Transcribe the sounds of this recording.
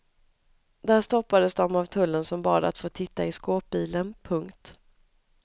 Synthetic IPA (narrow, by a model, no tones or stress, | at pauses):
d̪æːʂt̪ɔpːad̪əsd̪ɔmavt̪ʰɵlːənsɔmbɑ̰ːd̪a̰t̪foːt̪ʰɪt̪ːaɪskoːp̚biːlənpʰɵŋkt̪